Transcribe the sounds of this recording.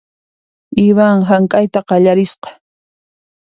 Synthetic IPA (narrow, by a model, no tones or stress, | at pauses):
ɪβaŋɦaŋkʼajt̪aqɑʎaɾɪsqɑ̥